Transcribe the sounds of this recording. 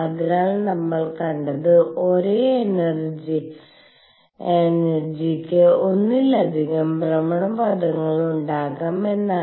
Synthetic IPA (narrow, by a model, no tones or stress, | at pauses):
ɐðiɾaːɭnɐmːɐɭkɐɳɖɐðɨo̞ɾeːnɐrd͡ʑi | enɐrd͡ʑikʲːɨo̞nːilːɐd̪ʱiɣɐmbrɐmɐɳɐmpɐd̪ʱɐŋːɐɭuɳɖaːɣaːme̞nːa